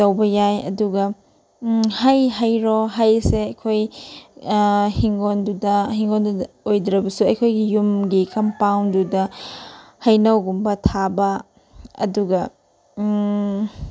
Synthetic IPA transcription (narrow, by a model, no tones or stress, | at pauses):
tɐwbɐjajɐ̰duɡɐ | hajɦajɾɔɦajseɐjkʰoj | hiŋɡondudɐɦiŋɡondu | ojdɾɐbɐsuɐjkʰojɡijumɡikɐmpawndudɐ | hɐjnɐwɡumbɐtʰabɐ | ɐ̰duɡɐ